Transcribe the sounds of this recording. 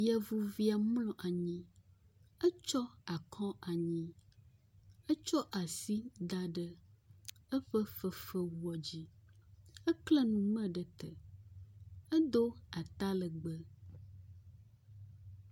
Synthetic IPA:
jɛ˨vu˨vi˦a˨mlɔ̃˨ʔa˨ɲĩ˦ | ə˦t͡ʃɔ˦a˨kʰɔ̃˦a˨ɲĩ˦ | ə˦t͡ʃɔ˦ʔa˨si˦d̪a˨ɖə˦ | ə˦ɸə˦fə˦fə˦wu˦ɔ˨d͡ʑi˦ | ə˦klɛ˦nũ˨mə̃˦ɖə˨t̪ə˨ | ə˦d̪o˦a˨t̪a˦lə˨ɡ͡bə˦

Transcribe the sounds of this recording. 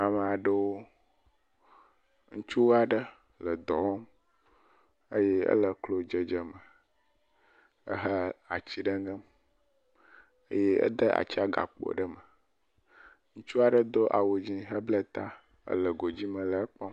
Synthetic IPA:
a˨mə˨a˨ɖə˦wo˦ | ŋũ˦t͡ʃu˦wa˨ɖə˦ | lə˨d̪ɔ˨wɔ˦m | ə̰˦je˦ə̰˦lə˨klo˦d͡ʒə˨d͡ʒə˨mə˨ | ə̰˦ɦə˦a˨t͡ɕi˦ɖə˦ŋɡə˦m | ə̰˦je˦ə̰˦d̪ə˦ʔa̰˨t͡ɕi˦a˦ɡa̰˨k͡po̰˨ɖə˦mə˨ | ŋũ˦t͡ʃu˦a˨ɖə˦d̪o˦ʔa̰˨wo˨d͡ʑi˦ɦə˦blə˦t̪a˦ | ə̰˦lə˨ɡo˨d͡ʑi˦mə̃˨lə˨ə˦k͡pɔ˦

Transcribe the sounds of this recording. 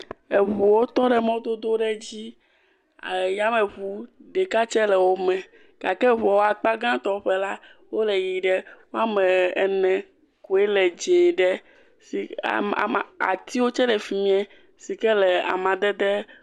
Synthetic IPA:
e˨βu˨wo˦t̪ɔ˦ɖɛ˦mɔ̃˦d̪o˦d̪o˦ɖɛ˦d͡ʑi˦ | a˨ja˦mɛ̃˨βu˦ɖɛ˨ka˦t͡ʃɛ˦lɛ˨wo˦mɛ̃˨ | ka˨kɛ˦βɔ˨wo˦a˨k͡pa˦ɡã˦t̪ɔ˦ɸɛ˦la˦wo˦lɛ˨ji˨ɖɛ˦wo˦a˦mɛ̃˨ɛ˨nɛ̃˨ | ko˨ɛ˦lɛ˨d͡ʒe˨ɖɛ˦ | sḭ˨ | a̰˨t̪i˦wo˦t͡ʃɛ˦lɛ˨fi˨mĩ˦ɛ̃˦ | si˨kɛ˦lɛ˨a̰˨mã˨d̪ɛ˦d̪ɛ˦

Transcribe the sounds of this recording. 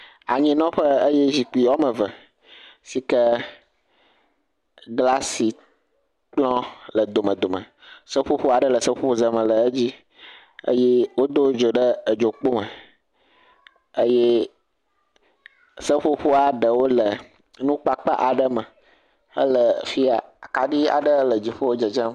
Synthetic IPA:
a̰˨ɲĩ˦nɔ̃˦ɸə˦ə˦je˦zi˨k͡pu˦i˨ɔ˦mə̃˨və˨ | si˨kə˦ | ɡla˦si˨ | k͡plɔ̃˦lə˨d̪o˨mə̃˨d̪o˨mə̰̃˨ | sə˦ɸo˦ɸo˦a˨ɖə˦lə˨sə˦ɸo˦ɸo˦zə˨mə̃˨lə˨ə˦d͡ʑi˦ | ə̰˦je˦wo˦d̪o˦d͡ʒo˨ɖə˦ə˨d͡ʒo˨k͡po˦mə˨ | ə˦je˦ | sə˦ɸo˦ɸo˦a˨ɖə˨wo˦lə˨ | nũ˦k͡pa˦k͡pa̰˦ʔa˨ɖə˦mə˨ | ə̰˦lə˨fi˦a˨a˨ka˨ɖi˦a̰˨ɖə˦lə˨d͡ʑi˦ɸo˦wo˦d͡ʒə˨d͡ʒə˦m

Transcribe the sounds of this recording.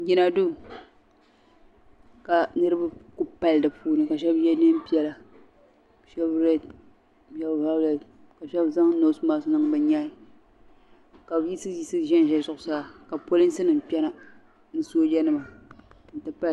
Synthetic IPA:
ɡʲi˦na˨du˦ | ka˨nɨ˦ɾɨ˦ba˦ku˦pa˦ldɨ˨pʰuː˦nɨ˨ka˨ʃɛ˦bjɛ˦ne˦m˦pi˦ɛ˦la˨ | ʃɛ˦bɾɛ˦d | ɛ˦bva˦blɛ˨ | ka˨ʃɛ˦bza˦ŋ˦no˨˦smaː˦sʊ˦nɨ˦ŋbɨ˨ɲaː˦i˨ | ka˨bji˦sɨ˦ji˦sɨ˦ʒɛ˦nʒɛ˦zʊ˦ʔʊ˨saː˦ka˨po˦lɨ˦n˦sɨ˦nɨ˨m˨k͡pʲɛ˦na˦ | nɨ˦soː˦d͡ʒɛ˦nɨ˦ma˨ | n̩˨tɨ˦pa˦l

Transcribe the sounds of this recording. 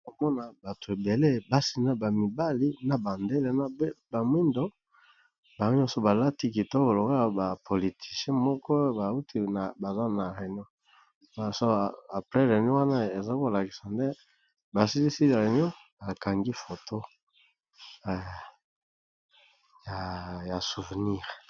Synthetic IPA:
ko˨mɔ˦na˨ba˨tʰo˨e˨be˨le˦ba˦si˨na˨ba˨mi˨ba˦li˦na˨ba˨nde˦lɛ˦na˦bba˨mwi˦ndo˦ | ba˨o˦ɲɔ˦so˨ba˨la˦ti˦ki˨to˦bo˨lo˨ko˦a˨ba˨pʰo˨li˨tʰi̥˨sjɛ̃˦mɔ˦kɔ˦ba˨u˦tʰi˦na˨ba˨za˦na˨ʁe˨n˦ɔ˦ | ba˨so˦˨a˨pʁɛ˦ʁe˨ni˦wa˦na˦e˨za˦ko˦˨la˨ki̥˨sa˨nde˦ | ba˨si˦li˦si˦la˨le˨n˦ɔ˦ | ba˨ka˨ŋɡi˦fo˨tʰo˦˨ | ja˨ja˨su˨vɛ˨ni˦˨ʁ

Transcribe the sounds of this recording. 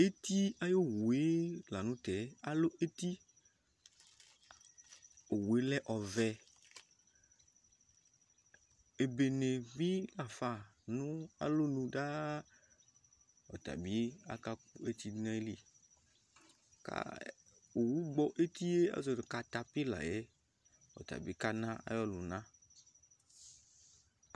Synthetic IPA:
e˦t̪i˦a˦jo˦wu˨e˦la˨nũ˦t̪ɛ˨˦a˨lo˦ʔe˦t̪i˦ | o˨wu˨e˦lɛ˦ʔɔ˨vɛ˨ | e˨be˨nẽ˨vi˦la˨fa˦˨nũ˦a̰˦lo˦nũ˦ɖa˦ | ɔ̰˨t̪a̰˨bi˦a̰˦ka˦u˦e˦t̪i˦dnɛ̃˦li˨ | ka̰˦ | o˨wu˦ɡ͡bɔ˦ʔe˦t̪i˦e˦a̰˦zɔ˨de˨ka˨t̪a˨pi˦la̰˨je˦ | ɔ̰˨t̪a̰˨bi˦ka˦nã˦a̰˦jɔ˦lu˨nã˦

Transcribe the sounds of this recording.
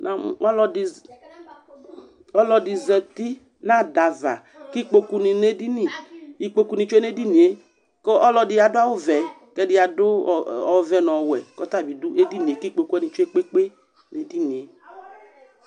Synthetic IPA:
na˨ɔ˦lɔ˨dɪ˨ | ɔ˦lɔ˨dɪ˨zɛ˨ti˦ | na˦˨da˨va̰˨ | ki˦k͡po˨ku˦ni˨ne˦di˦ni˨i˨k͡po˦ku˦nĩ˨t͡ʃʷe˦ne˦di˦ni˨e˨ | kɔ˦ɔ˦lɔ˧dɪ˨ja˨dʊ˦a˦wʊ˦vɛ˨˦kɛ˦dɪ˨ja˨dʊ˦˨ɔ˨vɛ˨nɔ˨wɛ̰˨kɔ˦ta˦˨bi˨dʊ˦ʔe˦di˦ni˨e˨ki˦k͡po˨ku˦ɛ˦ni˨t͡ʃʷe˦k͡pe˦k͡pe˦ | ne˨di˦ni˨e˨

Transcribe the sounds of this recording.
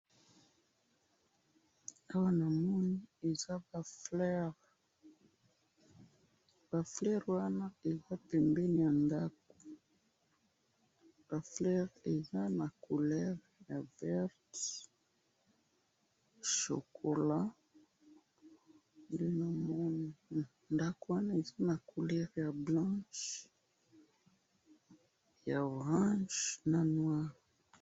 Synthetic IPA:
a˦wa˦na˨mɔ˦ni˦e˨za˦ba˨flɛ˦ʁ | b̥a˨flɛ˦ʁwa˦na˦e˨za˦pɛ˨mbɛ˦ni˨ja˨nda˦ko̥˨ | b̥a˨flɛ˦ʁe˨za˦na˨ko˨lɛ˦ʁ | ja˨vɛ˦ʁt | ʃo̰˨kʰo˨la˦ | nde˦na˨mɔ˦na | nda˦kuwa˦na˦e˨za˦na˨kʰu˨lɛ˦ʁja˨blɑ̃˦ʃ | ja˨o˨ʁɑ̃˦ʒna˨nwa˦ʁi

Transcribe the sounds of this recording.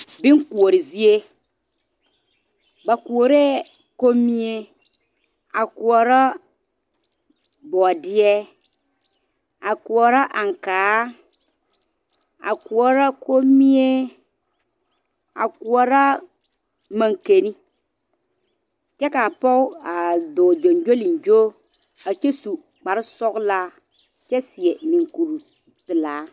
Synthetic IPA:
bi˦ŋ˦ku˨o˨ɾi˨zi˦e˦ | ba˨ku˨o˨ɾe˦ | ko˦mĩ˦e˦ | a˨ku˨ɔ˨ɾa˦ | bɔ˨dɪ˦ɛ˦ | a˨ku˨ɔ˨ɾa˦ʔa˨ŋ̩˨kaː˨˦ | a̰˨ku˨ɔ˨ɾa˦kʰo˦mi˦e˦ | a̰˨ku˨ɔ˨ɾa˦ | mã˨ŋke˨ni˦ | t͡ʃɛ˦ka˨pɔ˦a˨do˨d͡ʒo˨nd͡ʒo˦li˨n˨d͡ʒo˦ | a˨t͡ʃɛ˦su˨ | k͡pa˨ɾɪ˦sɔ˦kla˦ | t͡ʃɛ˦sɪ˨ɛ˨nĩ˨ŋku˨ɾu˨ | pɪ˨laː˨˦

